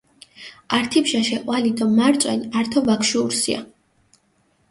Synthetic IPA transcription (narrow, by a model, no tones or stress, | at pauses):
aɾt̪ʰipʃaʃɛqʼwalid̪ɔmaɾt̪sʼwɛnaɾt̪ʰɔvakʰʃuːɾsḭa̰